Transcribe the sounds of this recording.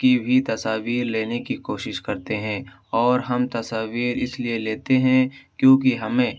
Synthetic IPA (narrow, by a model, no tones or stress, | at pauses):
kibʱit̪ɐsaːʋiːɾleːnekikoːʃɪʃkɐɾt̪eɦɛ̃ː | ɔːɾɦɐmt̪ɐsaːʋiːɾɪslieleːt̪eɦɛ̃kjõːkiɦɐmẽː